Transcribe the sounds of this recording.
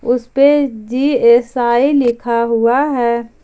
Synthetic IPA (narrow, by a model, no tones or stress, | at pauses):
ʊsped͡ʒiːeːsaːilɪkʰaɦuaɦɛː